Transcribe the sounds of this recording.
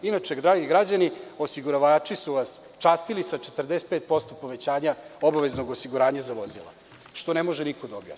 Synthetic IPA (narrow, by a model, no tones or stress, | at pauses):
inat͡ʃe̞d̪ɾaːɡiɡɾad͡ʑanio̞siɡuɾaʋaːt͡ʂisuʋas | t͡ʃaːst̪ilisat͡ʃe̞t̪r̩d̪ese̥t̪̚peːt̪̚po̞st̪o̞po̞ʋe̞t͡ɕaːɲaobaʋezno̞ɡosiɡuɾaːɲazaʋo̞zḭlˠa̰ | ʃt̪o̞nemo̞ʒenikod̪aobja̰